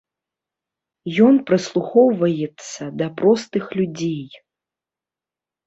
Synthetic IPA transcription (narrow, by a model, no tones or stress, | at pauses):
jɔnpɾɨslˠuxɔwvɐjɛt̪sːɐd̪ɐpɾɔst̪ɨxlʲud͡zʲej